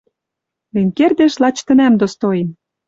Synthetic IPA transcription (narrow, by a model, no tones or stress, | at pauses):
lenʲkerd̪eʃlɑt͡ɕt̪ə̆næmd̪ost̪ojem